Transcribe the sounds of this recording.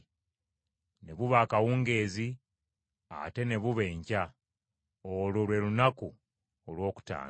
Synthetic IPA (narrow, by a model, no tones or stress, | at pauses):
ne̞βuβaːkawuːŋɡe̞ːzi | a̰te̞ne̞βuβe̞ːɲca | ololwe̞lunaku | olwo̞ːku̥ta̰ː